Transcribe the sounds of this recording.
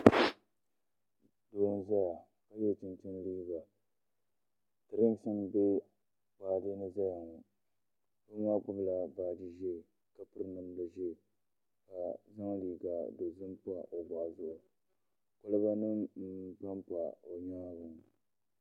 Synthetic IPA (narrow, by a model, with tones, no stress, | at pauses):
doː˨˦n˦za˦ja˨ | ka˨jɛ˦˨t͡ʃɪ˦nt͡ʃɪ˦n˦liː˦ɡa˨ | tɨ˨ɾɪ˦ŋ˦sɨ˦nbe˦ | k͡paː˨dɨ˦nɨ˦za˦ja˨ŋʊ˨ | o˦ɲaː˦k͡pʊ˦bla˨baː˨dɨ˦ʒe˦˨ | ka˨pɨ˦ɾmɨ˦n˦ba˨ʒe˦˨ | ka˨za˦ŋliː˨ɡa˨do˨zɨ˦mpʊ˦a˨ʔo˨baː˨zʊ˦ʔʊ˨ | kʊ˦lɨ˦ba˦nɨ˦ŋm̩˦pa˦mpa˨o˨ɲaː˦bʊ˨ŋ